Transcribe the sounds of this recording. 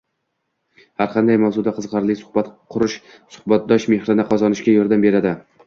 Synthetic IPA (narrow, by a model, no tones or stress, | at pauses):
haɾqʰɑnd̪ajmawzʊd̪aqʰɨzqɑɾlˠɪkʲsʊ̥hbat̪qʰʊɾɪʃ | sʊ̥hbat̪̚d̪ɒʃme̞hɾɪnɪqʰɒzɒnɪʃkʲajɒɾd̪ambe̞ɾad̪ɪ